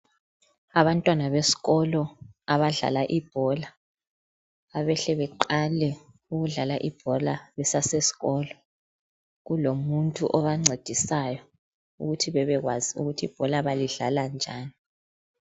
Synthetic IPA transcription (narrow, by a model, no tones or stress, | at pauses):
aβantʼwanaβesi̥ɣɔlɔaβaɮa̰laʔib̥ʱɔla | βɛɬɛβɛǃalɛ | uɣuɮalaʔib̥ʱɔlaβɛsasesi̥ɣɔːlɔ | ɣulomuntʼṵʔɔβaŋ͡ǀʱed̥ʱisajɔ | ṵɣutʰiβɛβɛɣwaziṵɣutʰib̥ʱɔlaβaliɮaland͡ʒʱaːni